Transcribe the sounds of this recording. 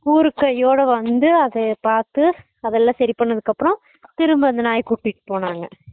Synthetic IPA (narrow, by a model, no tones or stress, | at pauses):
kuːɾɯkːɐjːoːɽɐʋɐnd̪ɯɐðɐpaːɾt̪ɯ | ɐðɛlːãːsɐɾɪpɐɳːɐðɯkːɐpːɾɔ̃ | t̪ɪɾɯmbɐnd̪ɐnaːjɐkuʈːɪʈːɯ̥poːnaːŋɡɐ